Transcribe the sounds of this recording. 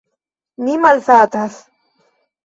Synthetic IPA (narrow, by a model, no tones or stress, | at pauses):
nimɐlsaːt̪ɐs